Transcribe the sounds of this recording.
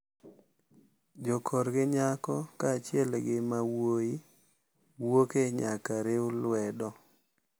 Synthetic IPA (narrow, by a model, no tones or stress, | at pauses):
d͡ʒɔkʰɔɾɡɪɲakɔkat͡ʃɪɛlɡɪmawoi | wokeɲakaɾeʊlwɛdɔ